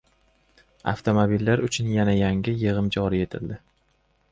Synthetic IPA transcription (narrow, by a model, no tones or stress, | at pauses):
a̰ft̪ʰomobilːaɾʊt͡ʃʰʊnjanajaŋɪjɨʁɨmd͡ʒɒɾie̞t̪ʰɪld̪ɪ